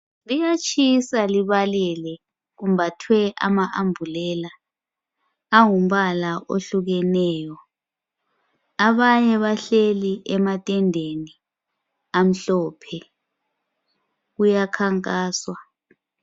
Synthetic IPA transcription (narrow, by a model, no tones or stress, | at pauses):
lijat͡ʃʰʼisaliβalɛlɛ | ɣum̩batʰwɛʔa̰maʔambʱulɛla | aŋum̩βalaʔo̰ɬuɣɛnɛːjɔ | aβaɲɛβaɬeliʔɛmatʼɛndʱeni | am̩ɬɔːpʰɛ | ujakʰaŋkʼaːswa